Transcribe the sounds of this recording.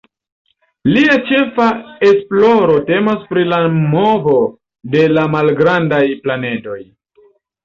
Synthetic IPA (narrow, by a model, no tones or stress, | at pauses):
liat͡ʃe̞fae̞splo̞ɾo̞te̞maspɾilamo̞vo | de̞lamalɡɾandajplane̞do̞j